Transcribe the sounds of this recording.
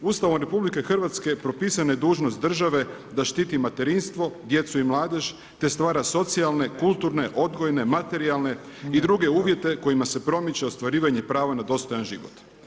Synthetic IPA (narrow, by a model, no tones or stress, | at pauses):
ust̪aʋomɾe̞publike̞xr̩ʋat̪ske̞pɾo̞piːsaned̪uːʒnost̪d̪r̩ʒaʋe̞ | d̪aʃt̪iːt̪imat̪e̞ɾinst̪ʋo̞d̪je̞t̪suimlˠaːd̪e̞ʒ | t̪e̞st̪ʋaːɾaso̞t̪sialˠne̞kulˠt̪uɾne̞ʔo̞d̪ɡojne̞mat̪e̞ɾialne̞ | id̪ɾuɡe̞uːʋje̞t̪e̞ko̞jimase̞pɾo̞mit͡ɕeost̪ʋaɾiːʋaɲepɾaːʋanad̪o̞st̪o̞janʒḭʋo̰t̪